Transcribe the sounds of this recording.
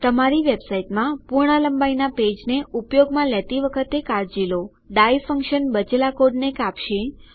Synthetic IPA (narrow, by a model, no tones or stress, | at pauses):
t̪əmaɾiʋebsaiʈmãpuɾɳələmbainaped͡ʒneupjoɡmãlet̪iʋəkʰət̪ekaɾd͡ʒilo | ɖajfəŋkʃənbəd͡ʒlakoɖnekapʃe